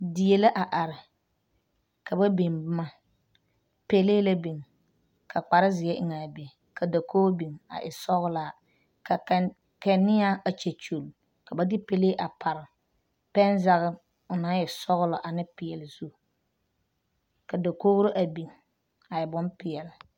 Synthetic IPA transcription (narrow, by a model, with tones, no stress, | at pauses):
dɪ˨je˨le˦ʔa˨ʔa˨ɾɪ˨ | ka˨ba˦be˨nbma˦ | pe˦leː˦la˦bi˨ŋ | kʰa˨k͡pa˨ɾɪ˦zɪ˨˦ɛ˦ʔɪ˨ŋa˨be˨ŋ | kʰa˨da˨kʰoː˦bi˨ŋa̰˨ʔɪ̰˨sɔ˦ɣʊ˦la˨ | ka˨ | kɛ˨nɪ˦a˦a˨t͡ʃe˨t͡ʃo˨l | ka˨ba˦dɪ˦pe˦leː˦ʔa˨pʰa˨ɾɪ˨ | pɛ˦n˦za˦ɣɪ˦ | ʊ˨na˨˦jɛ˨sɔ˦ɣʊ˦lɔ˨ʔa˨nɪ˦pɪ˨jɛ˨lɪ˨zu˦ | ka˨da˨ko˦ɣɾo˦ʔa˨bi˨ŋ | a˨ɪ˨bɔ˦mpɪ˨ɛ˨lɪ˨